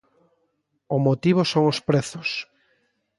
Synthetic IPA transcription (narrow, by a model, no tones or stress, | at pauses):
ʊmot̪iβ̞osoŋospɾɛθʊs